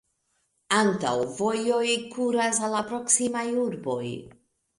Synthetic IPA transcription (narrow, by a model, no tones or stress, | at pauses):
anta̰wvo̞jo̞jkʰuɾas̬alapɾo̞ksimajuɾbo̞̰j